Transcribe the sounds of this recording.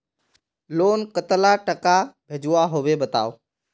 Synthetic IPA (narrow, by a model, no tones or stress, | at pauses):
loːnkət̪laʈəkabʱed͡ʒʱuaɦoʋebət̪a̰ːo